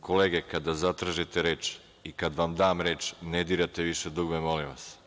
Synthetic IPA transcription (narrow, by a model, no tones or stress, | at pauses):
koleːɡekad̪azat̪ɾaʒit̪e̞ɾeːt͡ʃ | ikad̪ʋamd̪aːmɾe̞ːt͡ʃned̪iːɾat̪e̞ʋiʃed̪uɡmemo̞limʋa̰s